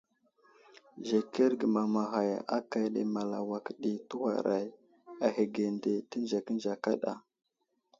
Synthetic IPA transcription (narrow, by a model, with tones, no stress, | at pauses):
ʒe˨ke˦ɾɡə˨ma˨ma˨xa˨jʔa˦ka˨jɗḛ˨ma˨la̰˨wa˨kɗi˨tu˦wa̰˨ɾa˨j | a˨ɦe˨ɡe˨nde˨tə˦nd͡ʒa˨kə˦nd͡ʒa˨ka˦ɗa̰˨